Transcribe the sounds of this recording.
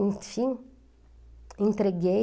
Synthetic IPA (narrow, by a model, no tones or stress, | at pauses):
nt̪fin | ɨnt̪ɾeɡe